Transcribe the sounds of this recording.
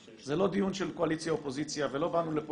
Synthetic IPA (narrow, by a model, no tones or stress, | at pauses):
zelo̞d̪ijunʃelko̞alit͡sjaopo̞zit͡sjavelo̞banulep